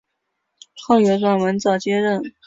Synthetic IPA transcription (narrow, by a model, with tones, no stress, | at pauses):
t͡sʰɤ˥˩ɥɛ˧˥ʈ͡ʂwa˥˩nwə˧˥nt͡sɑ˥˩t͡ɕjɛ˥ɻə˥˩n